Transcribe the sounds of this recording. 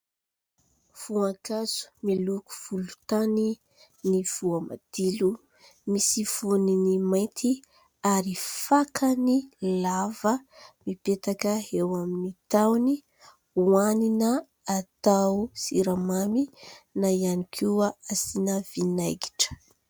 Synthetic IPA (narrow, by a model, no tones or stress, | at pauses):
v̥uakaz̥u̥miluku̥v̥ulut̪ani | niv̥uama̰d̪̥ilu | misiv̥oninimajt̪ʰi | aɾifakʰənilavəmipet̪akəewaminit̪awni | uaninə | at̪awsiɾamaminaianikʰiaasinəv̥inajɡi̥ʈ͡ʂə̥